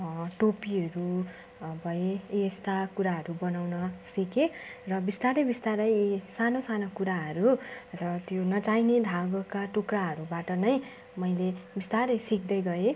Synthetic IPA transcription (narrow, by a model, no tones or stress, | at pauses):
ʈopiɦʌɾu | bʱʌeːst̪akuɾaɦʌɾubʌnawnʌsikerʌbist̪aɾʌbist̪aɾʌjsanosanokuɾaɦʌɾurʌt̪jonʌt͡sajned̪ʱaɡʌkaʈukraɦʌɾubaʈʌnʌj | mʌjlebist̪aɾʌjsik̚d̪ʌjɡʌe